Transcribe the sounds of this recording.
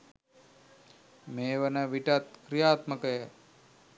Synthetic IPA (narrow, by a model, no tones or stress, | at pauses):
meːʋənəʋiʈat̪kɾijaːt̪məkəjə